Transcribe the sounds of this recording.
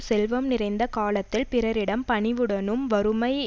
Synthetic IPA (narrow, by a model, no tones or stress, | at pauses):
sɛlʋɐmnɪrɐɪnd̪ɐkaːlɐt̪ːɪlpɪrɐɾɪɽɐmpɐɳɪʋɯɽɐnɯmʋɐɾɯmɐɪ